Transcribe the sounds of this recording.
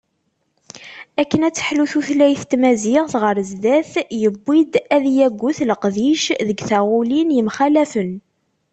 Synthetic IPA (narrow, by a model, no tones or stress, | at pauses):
ækːənæt͡sːə̥ħluθuθlæjθt̪mæziʁθʁəɾzd̪æθjəbːid̪æðjæɡʷːuθləqðiʃðəɡθæʁulinjəmχælæfən